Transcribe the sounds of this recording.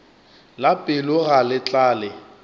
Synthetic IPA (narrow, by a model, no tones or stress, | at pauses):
lapʼɪlʊɣalɪt͡ɬʼaːlɪ